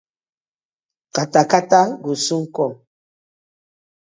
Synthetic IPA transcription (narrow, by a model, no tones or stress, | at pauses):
katakataɡusuŋ̩kɔ